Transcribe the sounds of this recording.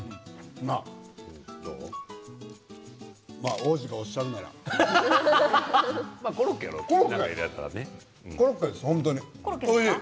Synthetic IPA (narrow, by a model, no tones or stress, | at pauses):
na | maoːʑiɡaoɕaɾɯ̃naɾa̰ | makoɾokːa̰ɾokoɾoknaːaiɾja̰aɾa̰ne | koɾokːad̪eshõnt̪oɲioe